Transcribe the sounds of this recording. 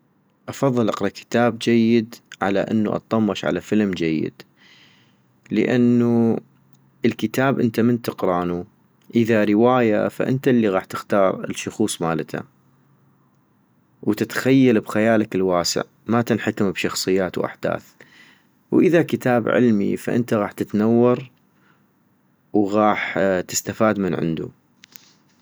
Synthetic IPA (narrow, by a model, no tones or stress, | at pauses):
ʔɑfɑðˤːɨlʔɑqɾˤɑkʰɪ̥t̪aːb̚d͡ʒajːɪd̪ʕa̰la̰ʔɪ̰nːṵʔɑ̰t̪ˤːɑmːɑʃʕa̰lafəlmd͡ʒajːɪ̰d̪̥ | lə̰ʔanːu | əlkət̪aːbʔənt̪amənt̪ɨqɾˤɑːnu | ʔəðaɾɪwaːja̰fa̰ʔɪnt̪alːiɣaːħt̪ɪxt̪ɑːɾˤɪlʃʊxuːsˤmaːlt̪ʰa̰ | wt̪ɪt̪xajːalbxajaːlakɪlwaːsɪ̰ʕ | mat̪ɪnħakɪmbʃɑxsˤɨjːaːt̪wʔa̰ħd̪̥a̰ːθ | wʔɪðakɪt̪ʰaːbʕɪ̰lmḭfa̰ʔɪ̰nt̪aɣaːħt̪ɪt̪nawːɑɾˤ | wɣɑːħt̪ɪst̪afaːd̪mənʕɪ̰nd̪ṵ